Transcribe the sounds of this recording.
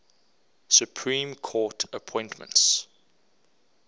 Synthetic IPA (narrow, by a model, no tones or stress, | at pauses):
sjupʰɹĩːmkʰɔːtʰəpʰɔ̃ɪ̃ntmə̰̃nts